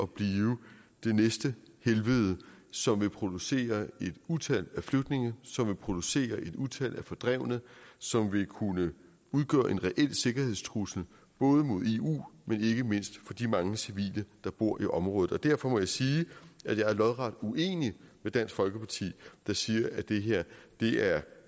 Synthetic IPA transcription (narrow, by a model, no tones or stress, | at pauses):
ʔɒ̽b̥liːʊd̥e̝nesd̥əhelʋəð̩ˠsɒ̽mʋe̝pʰʁo̝d̥use̝̰ːɐe̝d̥ut͡sʰælæfløɡ̥d̥ne̝ŋ̩sɒ̽mʋe̝pʰʁo̝d̥use̝̰ːɐʔe̝d̥uðˠt͡sʰæl̰ʔæfɒ̽d̥ʁɛʊ̰nəsɒ̽mʋe̝kʰunə | uðˠɡ̥ɶ̰ːɐʔe̝nʁɛʔel̰se̝ɡ̥ɐhe̝ð̰ˠst͡sʰʁusl̩ | b̥ɔ̽ːð̞ˠəmo̝ð̞ˠe̝ṵːmene̝ɡ̥əme̝n̰sd̥fɒ̽d̥imɑ̈ŋləsiʋḭːləd̥ɑ̈b̥o̝ɐ̰iʔɒ̽mʁɔ̽ːð̩ˠɒ̽d̥æɐ̰fɒ̽mɒ̽jɑ̈siːæd̥jɑ̈ɪæɐlɒ̽ðˠʁɑ̈d̥uʔe̝̰ːnimed̥æn̰sɡ̥fɒ̽lɡ̥əpʰɑ̈t͡sʰḭːd̥ɑ̈siːɐʔæd̥e̝ɦeɐ̰d̥e̝æɐ